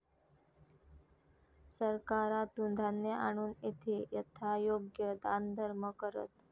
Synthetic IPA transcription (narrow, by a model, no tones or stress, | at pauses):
səɾkaɾat̪und̪ʱanːeʔa̰ɽ̃uːnet̪ʰejət̪ʰajoɡjəd̪and̪ʱəɾməkəɾə̰t̪